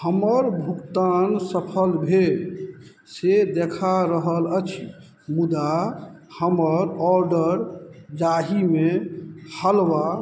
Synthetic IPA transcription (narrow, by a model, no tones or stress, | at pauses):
həməɾbʱukt̪ansəpʰəlbʱe | sed̪ekʰaɾəɦələt͡ʃʰi | mud̪a | həməɾɔɾɖəɾd͡ʒaɦimehəlʋa